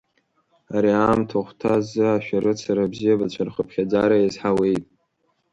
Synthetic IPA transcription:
aɾiaːmtʰaχʷtʰazɨaʃᶣaɾɨt͡sʰaɾabzijabat͡ɕʷʰarχəpʰχʲad͡zaɾaezħawe̞jtʼ

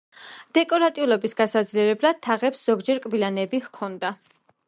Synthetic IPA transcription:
d̪̥ɛkʼɔɾat̪ʼiulˠɔbisɡasad̪zliɛɾɛblad̪̥̚t̪ʰːaʁɛpsz̥ɔɡd͡ʒɛɾkʼbilanɛbihkʰɔnd̪a

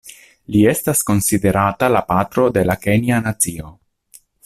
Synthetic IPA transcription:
lie̞stasko̞nside̞ɾatalapatɾo̞de̞lake̞nianat͡sio̞

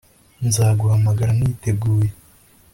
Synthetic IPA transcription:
nzaːɡuhamaɡaɾaniːte̞ɡuːje

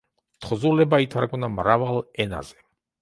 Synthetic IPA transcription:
t̪ʰχzulɛbait̪ʰaɾɡɔnamɾavalɛna̰z̥ɛ

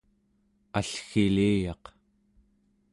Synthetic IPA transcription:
aɬxiliːjɑq

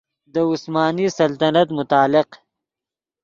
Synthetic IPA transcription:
d̪əʊsmaːnisɐlt̪ɐnɐt̪mʊt̪aːlɪq

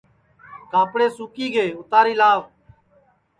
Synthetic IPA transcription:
kaːpɽeːsuːkiːɡeːʊt̪aːɾiːlaːʋ

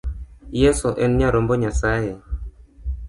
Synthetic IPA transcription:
jesoʔenɲaɾomboɲasaje

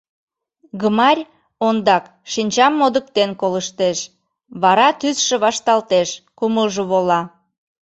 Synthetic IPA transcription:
ɡəmɑɾʲ | ond̪ɑk | ʃinʲt͡ɕɑmːod̪ək̚t̪enkoləʃt̪eʃ | βɑɾɑt̪ysʃeβɑʃt̪ɑlt̪eʃkuməlʒəβolɑ

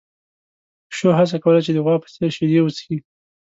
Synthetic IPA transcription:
ʃoɦas̬akawəlat͡ʃed̪əɣwɑpə̥seʃed̪ewət͡ski

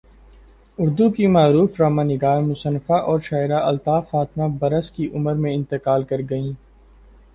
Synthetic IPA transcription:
ʊɾd̪ukimaːɾuːfɾaːmãːnɪɡaːmʊsənfaʔɔːɾʃaːɪɾaʔɐlt̪aːfaːt̪mabɐɾəskiʔʊməɾmẽɪ̃nt̪ɪqaːlkɐɾɡɐĩː

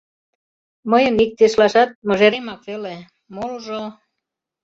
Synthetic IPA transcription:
məjənik̚t̪eʃlɑʃɑt̪̚mŏʒeɾemɑkvele | moluʒo

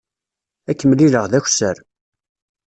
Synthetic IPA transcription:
ækːəmliləʁðæçʷsəɾ

